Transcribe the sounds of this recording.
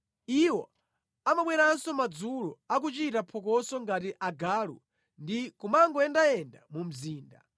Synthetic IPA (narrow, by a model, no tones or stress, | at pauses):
iwɔ̰ | amaɓwɛɾansɔmad͡zulɔak̬ut͡ʃitapʰɔk̬ɔsɔŋɡatiʔaɡaːlṵ | ndikumaŋɡɔɛndaɛnda̰mum̩ziːnda̰